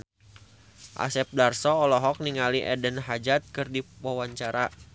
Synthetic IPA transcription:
ʔa̰sɛp̚darsɔːlɔɦɔk̚niŋaliʔɛdənɦad͡ʒat̪̚kɨrdipɔwaɲt͡ʃaɾa

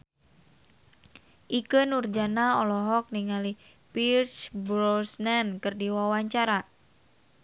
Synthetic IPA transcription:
ʔikənurd͡ʒanaɔlɔɦɔk̚niŋali | pirt͡ʃbɾɔsnɛnkɨrdiwawaɲt͡ʃaɾa

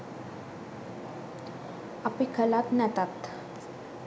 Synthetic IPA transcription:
apikʰəlat̪nɛt̪at̪

